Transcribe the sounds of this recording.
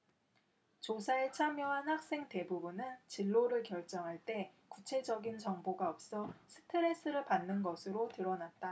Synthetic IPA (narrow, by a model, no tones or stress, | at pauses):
t͡ɕosʰaet͡ɕʰamjʌɦanhak̚s͈e̞ŋte̞bubunɯnt͡ɕiɭːoɾɯɭkjʌɭt͡ɕ͈ʌŋɦaɭt͈e̞kut͡ɕʰe̞d͡ʑʌɡint͡ɕʌŋboɡaʌp̚s͈ʌsʰɯ̥tʰɯɾe̞s͈ɯɾɯɭpanːɯnɡʌsʰɯɾotɯɾʌnat̚t͈a